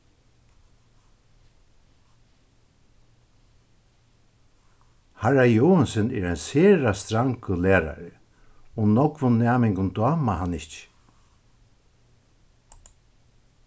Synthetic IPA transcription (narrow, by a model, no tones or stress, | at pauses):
haɹajɔwansɪnɛ̰ɾajnseːɻast̪ɾaŋkʊlɛːɾa̰ɾɪ | ʊmnɔkvʊnːaːmɪŋkʊnt̪ɔːmahanːɪt͡ʃ